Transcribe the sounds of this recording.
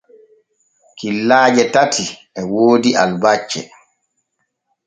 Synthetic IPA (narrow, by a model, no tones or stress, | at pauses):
kilːaːd͡ʒɛtatʰi | ɛwoːdiʔalbat͡ʃːɛ̰